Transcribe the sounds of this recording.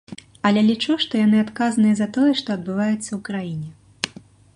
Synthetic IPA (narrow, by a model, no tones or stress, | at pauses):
ɐlʲɛlʲit͡ʂuʂt̪ɔjanɨat̪kazɐnɨjɐzɐt̪ɔjɛʂt̪ɔɐd̪̚bɨvajut̪sːɐwkɾajinʲɛ